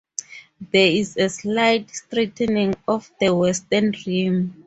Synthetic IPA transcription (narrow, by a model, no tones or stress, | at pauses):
ðɛizɛslajtstritʰɛnĩŋɔfdəwɛstɛnrim